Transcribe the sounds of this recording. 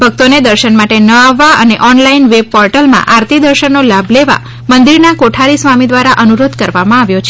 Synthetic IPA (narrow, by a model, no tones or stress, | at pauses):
bʱək̚t̪oned̪əɾʃənmaʈenəaʋːaə̰neʔɔnlainʋeb̚pɔɾʈəlmã̰ʔaɾt̪ʰid̪əɾʃənːolabʱleʋa̰ | mənd̪iɾnakoʈʰaɾisʋamid̪ʋaɾaʔənuɾod̪kəɾʋamãaʋjot͡ʃʰe